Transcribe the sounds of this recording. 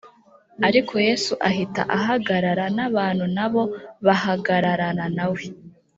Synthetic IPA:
aɾikʰo̞je̞ːsuʔaɦita̰ʔaɦaɡaɾaɾanaβaːn̥hunaβo̞βahaɡaɾaɾananawe

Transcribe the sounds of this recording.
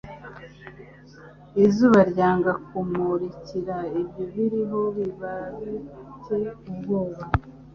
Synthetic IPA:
izuːβaɾɟaːŋɡakumuɾiciɾaibɟoβiɾiɦo̞βiβazicekubɡoːβa

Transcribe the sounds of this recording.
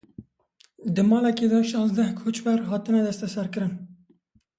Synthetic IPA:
d̪ɨmɑːlɛked̪ɑʃɑ̃ːnzd̪ɛhkʰot͡ʃwæɾɦɑːt̪ɨnɛd̪ɛst̪ɛsɛɾkɨɾɨn

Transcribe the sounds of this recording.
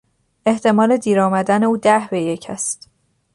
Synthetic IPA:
e̞ht̪ʰe̞mɒːle̞d̪iːɾɒːmæd̪æne̞uːd̪æhbe̞je̞cʰæst̪

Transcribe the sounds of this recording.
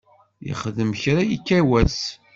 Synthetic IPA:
jḭχðəmçɾajikːæwæs

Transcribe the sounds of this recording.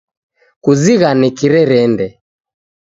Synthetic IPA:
kuziɣanɛkiɾɛɾɛndɛ

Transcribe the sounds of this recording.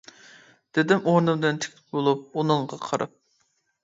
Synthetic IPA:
d̪̥ɪd̪ɪmoɾnɨmd̪ɨnt̪ʰɪ̥kʲt̪ʰɪ̥p̚bolˠup̚unɨɴʁɑqʰəɾɨ̰p̚

